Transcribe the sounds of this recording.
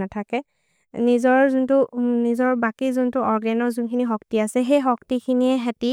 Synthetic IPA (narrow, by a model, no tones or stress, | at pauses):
natʰakɛ | nizɔɹzuntʊnizɔɹbakizuntuɔɹɡɛnɔɹzunkʰinixɔk̚tiasɛɦejxɔk̚tikʰiniɛɦɛti